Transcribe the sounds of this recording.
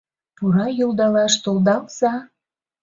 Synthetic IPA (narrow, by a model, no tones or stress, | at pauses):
puɾɑjold̪ɑlɑʃt̪olˠd̪ɑlzɑ